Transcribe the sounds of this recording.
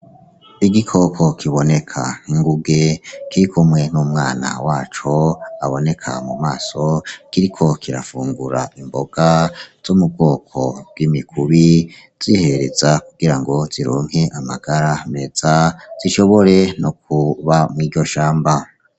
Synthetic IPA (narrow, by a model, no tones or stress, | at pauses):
iɡikʰo̞ːkʰo̞kʰiβo̞ne̞kʰa̰nhiŋɡuɡe̞kiɾikʰomwe̞numŋaːna̰waːt͡ʃoaβo̞ne̞kʰa̰mumaːso̞kiɾikʰo̞kʰiɾa̰fuːŋɡuɾa̰imbo̞ɡ̥az̥omub̚ɡo̞ːkʰo̞̰b̥̚ɡwimikʰuβi | z̥ihe̞ɾe̞zakuɡ̥iɾaŋɡo̞z̥iɾo̰ːŋ̥he̞ʔamaɡ̥aɾame̞z̥az̥iʃo̞βo̞ɾe̞nok̚uβamŋiːɟɟo̞ʃaːmba